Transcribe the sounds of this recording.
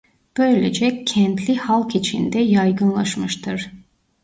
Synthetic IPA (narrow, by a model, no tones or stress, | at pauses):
b̥ø̞jlʲed͡ʒɛcʰɛnt̪lʲihalˠkit͡ʃʰḭnd̪ɛjajɡɯnlˠaʃmɯʃt̪ʰɯɾ̥